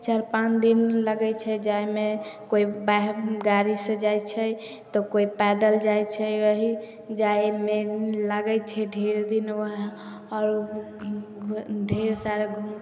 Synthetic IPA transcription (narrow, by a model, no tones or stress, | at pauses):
t͡ʃəɾpand̪inləɡɛt͡ʃʰɛd͡ʒajmekoibaɦɡaɾisə̃d͡ʒajt͡ʃʰə | t̪ɔkoipɛd̪əld͡ʒajt͡ʃʰɛəɦi | d͡ʒajmelaɡɛt͡ʃʰɛɖʱeɾd̪inəɦ | ɔɾ | ɖʱeɾsaɾɡʱum